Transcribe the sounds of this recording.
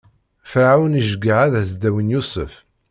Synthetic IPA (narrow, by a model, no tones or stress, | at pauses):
fʕawniʒɡaʕaðæzd̪æwənjusˤə̰f